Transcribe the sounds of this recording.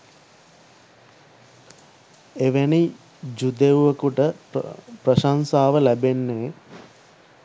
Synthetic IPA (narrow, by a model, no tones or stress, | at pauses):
eʋeni | d͡ʒud̪euʋəkuʈə | prəʃansaːʋəlæbenːe